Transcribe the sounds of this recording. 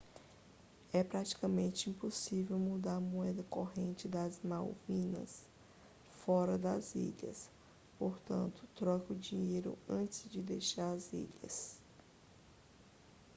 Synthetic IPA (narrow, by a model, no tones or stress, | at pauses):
ɛpɾat͡ʃi̥kɐmẽnt͡ʃɪĩposivewmud̪aɾɐmoɛd̪ɐkoɦẽnt͡ʃɪd̪ɐzmawvĩnɐ̰s | fɔɾɐd̪ɐzḭʎɐ̰s | poɾt̪ɐ̰̃nt̪ʊ̥t̪ɾɔkʊd͡ʒĩɲejɾʊ̰ɐ̃t͡ʃɪzd͡ʒɪd̪ejʃaɾɐzḭʎɐ̰s